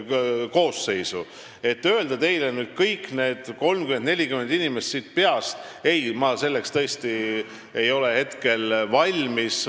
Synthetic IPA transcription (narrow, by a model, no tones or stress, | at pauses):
ko̞ːsːe̞jsu | e̞t̪ːø̞eld̪ɑt̪e̞jlenyːd̪̥̚kɤjkːˑne̞ːd̪̥ko̞lmkymed̪ne̞lʲikymend̪̥inimest̪sit̪̚ˑpe̞ɑst̪ | e̞jmɑse̞lːe̞kst̪ɤest̪i | ejo̞le̞he̞t̪ke̞lvɑlʲmis